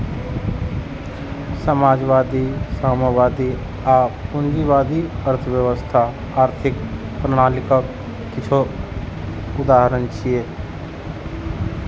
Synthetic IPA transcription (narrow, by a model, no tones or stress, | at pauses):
səmaːd͡ʒʋaːd̪isaməʋaːd̪i | apʊnd͡ʒiʋaːd̪iəɾt̪ʰəbjəwəst̪ʰa | aːɾt̪ʰɪk | pɾəɽ̃aːlikək | kɪt͡ʃʰo | ʊd̪aːɦɾənt͡ʃʰije